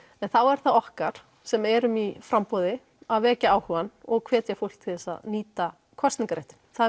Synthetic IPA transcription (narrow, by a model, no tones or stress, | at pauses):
ɛnθawɛɾ̥θaðɔhkaɾ̥ | sɛmɛɾʏmifɾampɔðɪ | aðvɛːcaaːwhuvanɔɣkʰv̥ɛːt̪jafol̥kt̪ʰɪθɛsːa̰ðniːt̪a | kʰɔst̪iŋkaɾeht̪ɪ̥nθa